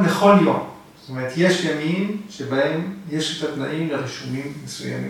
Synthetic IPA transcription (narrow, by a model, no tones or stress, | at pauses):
leχo̞ljo̞̰m | st̪omeʁet̪je̞ʃjamimʃebahe̞mje̞ʃet̪at̪naʔimleʁiʃumimːesuja̰mḭ